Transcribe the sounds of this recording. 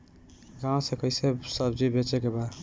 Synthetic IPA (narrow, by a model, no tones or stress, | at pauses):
ɡãw̃sẽkəɪsesəbd͡ʒibet͡ʃekebad̪